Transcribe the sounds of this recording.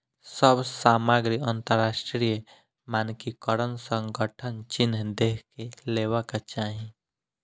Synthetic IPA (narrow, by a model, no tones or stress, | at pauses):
səbsaːmaːɡɾiə̃nt̪əɾːaːʃʈɾijə | maːnkikəɾənsə̃ŋɡəʈʰənt͡ʃɪnɦd̪eːkʰkeleːwakat͡ʃaːɦĩ